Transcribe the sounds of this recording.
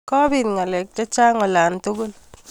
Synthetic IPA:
kɔ˦bi˨nŋa˨lɛ˨k̚d͡ʒɔ˦t͡ʃa˦ŋɔ˨la˨nt̪ʊ˦ɡʊ˦l

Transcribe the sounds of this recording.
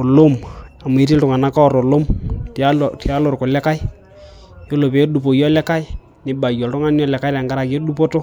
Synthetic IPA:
o˨lo˦ma˨m˨e˨˦tɪ˦ltʊ˨ŋa˨na˦kɔ˦˨ɾo˨lo˦mta˦˨ti˨a˦lo˨rko˨lɛ˦ka˦ɪ˦ | jo˦lo˨pe˨˦ɗu˨po˨jɔ˦lɛ˦ka˦ɪ˦ | nɪ˦ba˨jɔ˨ltʊ˦ŋa˦njɔ˦˨lɛ˨ka˦ɪ˦ɾa˨ŋɡa˦ɾa˨kːɗu˦po˦to˦

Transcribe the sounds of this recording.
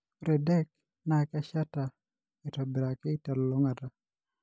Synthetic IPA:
u˦ɾɛ˨dɛ˦k̚ | na˦˨ka˦ʃa˦ta˨ | ɪ˨tɔ˨bɪ˨ɾa˨kɪ˦ta˨llo˦ŋa˨ta˨

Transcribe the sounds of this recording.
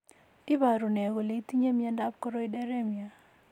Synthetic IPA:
ɪ˦ba˨ɾu˨nɛ˨ɣo˨le˨˦t̪i˦ɲe˦mja˦nda˦p̚kɔ˦ɾɔ˦i˦dɛ˦ɾɛ˦mja˨

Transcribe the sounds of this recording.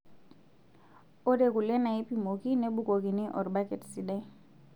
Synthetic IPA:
o˦de˨ku˨lɛ˦na˨i˦pi˨mo˨ki˦ne˦bʊ˦ko˨ki˨nɪ˦ʔɔ̰˨ɾba˦kɛ˨tsi˨dɛ˦

